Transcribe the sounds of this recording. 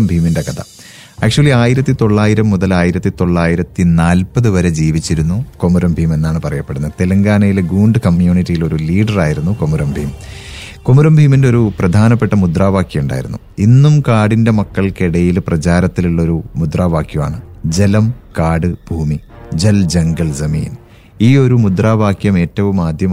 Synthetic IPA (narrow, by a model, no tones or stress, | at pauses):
mbʱiːminde̞kɐt̪ʰɐ̰ | æːk̚ʂuɐlːiaːjiɾɐt̪ːit̪o̞ɭːaːjiɾɐmːuðɐlaːjiɾɐt̪ːit̪o̞ɭːaːjiɾɐt̪ːinaːlpɐðɨʋɐɾe̞d͡ʑiːʋit͡ɕːiɾunːuko̞muɾɐmbʱiːme̞nːaːɳɨpɐrɐjɐpːe̞ɽunːɐðt̪elɐŋɡaːnɐjilɡuːɳɖɨkɐmjuːnitːijilo̞ɾuliːɖɐraːjiɾunːukomuɾɐmbʱiːm | komuɾɐmbʱiːmindeo̞ɾuprɐd̪ʱaːnɐpːe̞ʈːɐmud̪raːʋaːkʰjɐjuɳɖa̰ːjḭɾunːu | inːumkaːɽinde̞mɐkːɐɭkeɽɐjilprɐt͡ɕaːɾɐt̪ːiluɭːɐo̞ɾumud̪raːʋaːkjɐma̰ːɳɨd͡ʑe̞lɐmkaːɽɨb̥ʱuːmid͡ʑeld͡ʑɐŋɡɐɭsɐmḭːn | iːo̞ɾumud̪raːʋaːkjɐme̞ːtːɐʋumaːd̪ʱjɐm